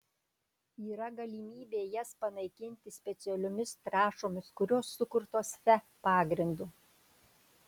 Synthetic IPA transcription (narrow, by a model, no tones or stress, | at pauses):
iːɾɐɡɐlʲiːmʲiːbʲeːjɛspɐnɐɪkʲɪnʲt̪ʲɪsʲpʲɛt̪sʲɪɛlʲʊmʲɪst̪ɾɑːʃoːmʲɪskʊɾʲoːsːʊkʊɾt̪oːsfʲɛ | pɑːɡɾʲɪnd̪u